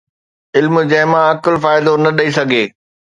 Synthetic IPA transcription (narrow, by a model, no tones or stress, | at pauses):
ɪlmd͡ʑɐɦɪmãɐkɪlfaːɪd̪onɐɗɐisɐɡʱeː